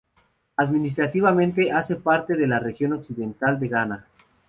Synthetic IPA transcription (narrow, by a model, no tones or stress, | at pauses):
aðminis̬t̪ɾat̪iβamẽnt̪̬e̞ʔase̞paɾt̪e̞ðe̞lare̞xjo̞no̞ksiðe̞nt̪ald̪e̞ɣana